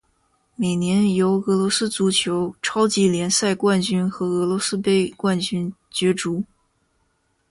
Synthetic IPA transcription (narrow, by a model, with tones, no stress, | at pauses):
me˨˩ɪnjɛ˧˥njo˧˥ʊɤ˧˥lwɔ˧˥sɹ̩˥t͡su˧˥t͡ɕʰjo˧˥ʊʈ͡ʂʰɑ˥ʊt͡ɕi˧˥ljɛ˧˥nsa˥˧ɪkwa˥˩nt͡ɕy˥nxɤ˧˥ɤ˧˥lwɔ˧˥sɹ̩˥pe˥˩ɪkwa˥˩nt͡ɕy˥nt͡ɕɥɛ˧˥ʈ͡ʂu˧˥